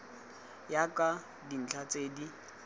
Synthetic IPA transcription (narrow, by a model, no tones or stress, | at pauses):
jakʼa | din̩t͡ɬʰat͡sʼeːdi